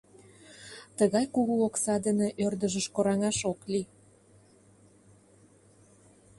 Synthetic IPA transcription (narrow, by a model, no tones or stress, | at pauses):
t̪əɣɑjkuɣuoksɑd̪ənĕʔørd̪ə̆ʒə̆ʃkoɾɑŋɑʃokli